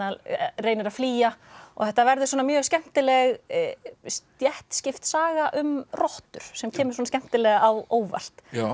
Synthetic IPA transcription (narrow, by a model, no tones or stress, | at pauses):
areːjnɪɾaðfliːjaɔ̰θɛht̪avɛɾðʏswɔnamjœːɣscɛm̥t̪ɪlɛɣ | st̪jɛht̪scɪft̪saːɣaʔʏmrɔht̪ʏɾ̥sɛmcʰɛːmʏsɔːnscɛm̥t̪ɪlɛɣaawoːwva̰l̥t̪